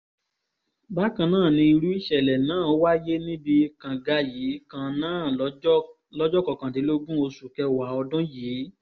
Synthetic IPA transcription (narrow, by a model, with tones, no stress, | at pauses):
ba˦kã˧nãː˦˨nĩ˧i˧ɾu˦i˦ʃɛ˨lɛ˨nãː˨˦˨o˦wa˦je˦nĩ˦bi˧kã˨ɡa˧jiː˨˦kã˧nãː˦˨ | lɔ˦d͡ʒɔ˦kɔ˨kã˨di˨˦lo˦ɡũ˦o˧su˨kɛ˧wa˨˦ɔ˧dɔ̃˦jiː˨˦